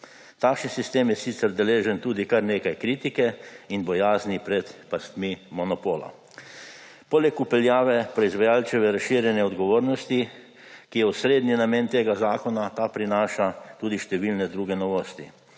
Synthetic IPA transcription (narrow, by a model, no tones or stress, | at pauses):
t̪aːkʃnisist̪eːmjɛsiːt̪sɛɾd̪ɛleːʒɛnt̪uːd̪ikaɾneːkajkɾiːt̪ikɛinbɔjaːznipɾɛt̪past̪mimɔnɔpoːla̰ | poːlɛkupɛljaːʋɛpɾɔizʋajaːlt͡sɛʋɛɾasʃiːɾjɛnjɛɔd̪ɡɔʋoːɾnɔst̪i | kijɛusɾeːd̪ninameːnt̪eːɡazaːkɔnat̪aːpɾinaːʃat̪uːd̪iʃt̪ɛʋilnɛd̪ɾuːɡɛnɔʋoːst̪ḭ